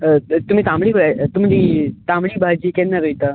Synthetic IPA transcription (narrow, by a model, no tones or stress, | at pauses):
ət̪um̤iːt̪ãmɽiːkoɭat̪um̤id̪it̪ãmɭiːbʱad͡ʑiːkɛ̃nːaɾəjt̪a